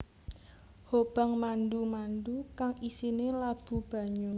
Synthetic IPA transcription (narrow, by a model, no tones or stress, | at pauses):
hob̥a̤ŋmandumandukaŋisinelab̥ṳb̥a̤ɲu